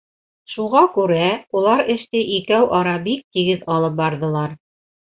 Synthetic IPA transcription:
ʃuʁɑkʉɾæulˠɑɾɘ̆ʃt̪ɘʔikæwʔɑɾɑbik̚t̪iɡɘðɑlˠɤp̚bɑɾðɤ̆lˠɑɾ

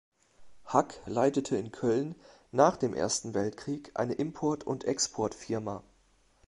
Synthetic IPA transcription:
haklaɪtətʰəɪnkʰœlnː | aːχd̥eːmʔḛːɐstn̩vɛltkʁ̥iːkʔa̰ɪnəʔɪmpʰɔɐtʰʊ̰ntʔɛkspʰɔɐtfɪɐma

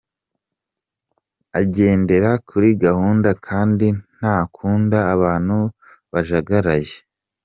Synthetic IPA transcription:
aɟe̞ːnde̞ɾakʰuɾiɡahuːndakʰaːndin̥aːkʰuːndaːβaːn̥hu | βaʒaɡaɾaje

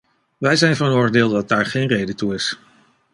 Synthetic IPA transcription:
ʋɛjzɛjnvɑnɔɹɹdɪːlˠdɑt̚daːɹχejnrejdətuɪs

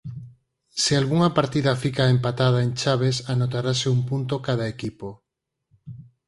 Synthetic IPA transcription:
sealɣuŋapaɾt̪iðafikaempat̪að̞aent͡ʃaβ̞esanot̪aɾaseumpunt̪okaðaekipo

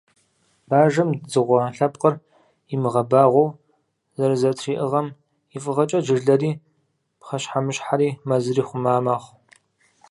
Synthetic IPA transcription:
b̥aːʒɐmzɨʁʷɐɬɐp̚qər | ɪmɨʁɐbaːʁʷow | zɐɾzɐtʰriːʔɨʁɐm | ifʼɨʁɐt͡ʃʼɐd͡ʒɪrɮɐriː | pχɐɕħamɨɕħaɾiːmɐzɨriːχʷʊmaːmaːχʷ

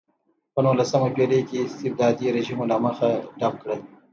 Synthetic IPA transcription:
pənulasəmapelekeɪst̪ɪb̚d̪ɑːd̪iɾeʒimolaməxaɖap̚kɽəl

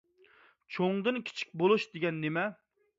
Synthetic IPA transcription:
t͡ʃʰoŋd̪ɨnkʲʰi̥t͡ʃʰi̥k̚ʲbolˠuʃd̪eɡʲɛnːemɛ

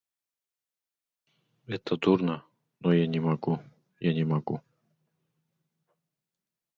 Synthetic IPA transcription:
ɛt̪ʰad̪uɾna | nɔjɛɲʲɛmaɡu | jɛɲʲɛmaɡu

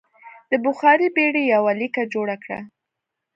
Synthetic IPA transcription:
d̪̥əbʊxɑɾibeɽejawalikad͡ʒoɽakɽa̰

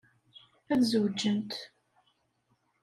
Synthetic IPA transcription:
æðzəwd͡ʒənt̪

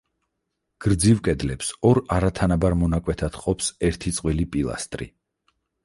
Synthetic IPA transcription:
ɡ̥ɾd̪zivkʼɛd̪lɛpsɔɾaɾat̪ʰanabaɾmɔnakʼwɛt̪ʰad̪̥qʼɔpsɛɾt̪ʰit̪sʼqʼwilipʼilˠa̰st̪ʼɾḭ

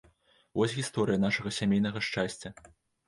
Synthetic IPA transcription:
vɔsʲɣʲist̪ɔɾɨjɐnaʂɐɣɐsʲamʲejnɐɣɐʂt͡ʂasʲt͡sʲːɐ

